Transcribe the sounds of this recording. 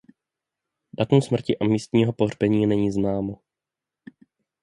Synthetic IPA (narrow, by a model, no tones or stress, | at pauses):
dat̪umsmr̩cɪʔamiːst̪ɲiːɦo̞poɦr̝bɛɲiːnɛɲiːznaːmo